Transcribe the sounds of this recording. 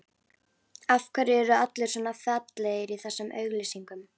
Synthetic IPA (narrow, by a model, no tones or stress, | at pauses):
afkʰvɛɾɪɛɾʏat̪lɪɾ̥sɔːnafat̪leɣɪɾiθɛsːʏmʔœ̰ːɥɣlisiŋkʏm